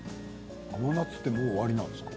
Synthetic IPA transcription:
ananat͡sɨ̥t̪ːe̞moːβaɾʲinãnd̪eskɑ̥

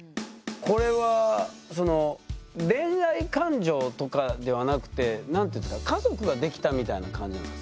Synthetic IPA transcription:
ko̞ɾe̞βaso̞no̞ɾẽ̞ɰɾaikãɲd͡ʑo̞ːt̪o̞kad̪e̞β̞anakɯ̟̥t̪e̞nãnt̪oeĩːskakazo̞kɯ̟ɡad̪e̞kʲi̥t̪amʲit̪ainakãɲ̟d͡ʑinã

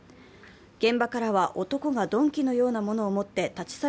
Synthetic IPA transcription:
ɡ̥ẽ̞mbakaɾaβaʔo̞t̪o̞ko̞ɡad̪õ̞ŋkʲino̞jo̞ːnamo̞no̞ːmo̞t̪ːe̞t̪at͡ɕi̥sa

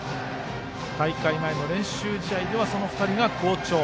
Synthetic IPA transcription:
t̪aikaimaeno̞ɾẽ̞ɰ̃ɕɨːd͡ʑit̪aid̪e̞βaso̞no̞ɸɯ̥t̪aɾʲiɡako̞ːt͡ɕo̞ː

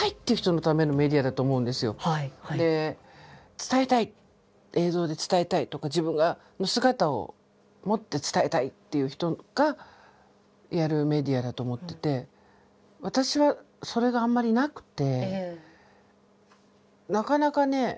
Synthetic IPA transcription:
ait̪ːe̞iɯ̟çi̥t̪o̞no̞t̪ame̞no̞me̞d̪ʲiad̪at̪o̞ːmo̞ɯ̟̃nd̪e̞sɨjo̞̰d̪e̞ | t͡sɨ̥t̪aet̪ai | e̞ːzo̞ːd̪e̞t͡sɨ̥t̪ae̞t̪ait̪o̞kad͡ʑibɯ̟̃ŋɡa | no̞sɨɡat̪ao̞̰ | mo̞t̪ːe̞t͡sɨ̥t̪ae̞t̪ait̪ːe̞jɯ̟ːçi̥t̪o̞ɡ̥a | jaɾɯ̟me̞d̪ʲiad̪at̪o̞ːmo̞t̪ːe̞t̪e̞ | βat̪aɕiβa | so̞ɾe̞ɡãːmːaɾʲinakɯ̟̥t̪e̞ | nakanakane̞

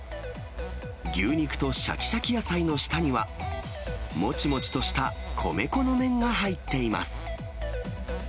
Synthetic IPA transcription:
ɡʲɨːɲ̟ikɯ̟̥t̪o̞ɕa̰kʲi̥ɕakʲijasaino̞ɕi̥t̪aɲ̟iβa | mo̞t͡ɕimo̞t͡ɕi̥t̪o̞ɕi̥t̪a | kʰo̞̰me̞ko̞no̞mẽ̞ŋɡaɦait̪ːe̞ima̰sɨ̥

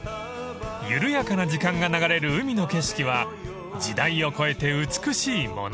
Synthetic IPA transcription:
jɯɾɯ̟jakanad͡ʑikãŋɡanaɡaɾe̞ɾɯ̟ɯ̟mʲino̞ke̞ɕi̥kʲiβa | d͡ʑid̪aio̞ko̞e̞t̪e̞ɯt͡sɨ̥kɯ̟ɕiːmo̞̰n

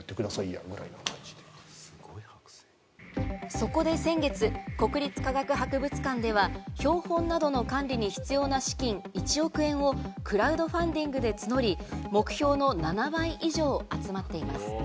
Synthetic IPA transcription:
t̪ːekɯ̟d̪asaija̰ɡɯ̟ɾa̰inokʰãɲd͡ʑi̥d̪esɨ̥ɡ̥oihḁkɯ̥se̥ | so̞ko̞d̪e̞sẽ̞ŋɡe̞t͡sɨko̞kɯ̟ɾʲit͡sɨ̥kaɡakɯ̟ɦakɯ̟bɯ̟t͡sɨ̥kãnd̪e̞βaço̞ːhõ̞nːad̪o̞no̞kãnɾʲiɲ̟içi̥t͡sɨjo̞ːnaɕi̥kʲĩŋit͡ɕio̞kɯ̟ẽ̞ɰ̃o̞kɯ̟ɾaɯ̟d̪o̞ɸãnd̪ʲĩŋɡɯ̟d̪e̞t͡sɨno̞ɾʲimo̞kɯ̟̥çʲo̞ːno̞nanabaiʔiʑo̞ːat͡sɨmat̪ːe̞ima̰sɨ̥

